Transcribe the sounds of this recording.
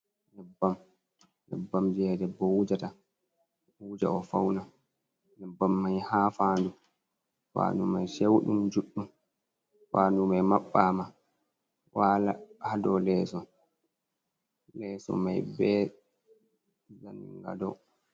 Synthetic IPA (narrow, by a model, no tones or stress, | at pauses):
nɛbːam | nɛ̰bːamd͡ʒɛdɛbɔwud͡ʒata | ud͡ʒa̰ɔfa̰wna | nɛbːamːajhafaːndu | fa̰numajʃewɗumd͡ʒuɗːum | faːnumajmaɓːama | waːlahadɔlɛːsɔ | lɛsɔ̰majbɛ | za̰nːḭŋɡa̰dɔ̰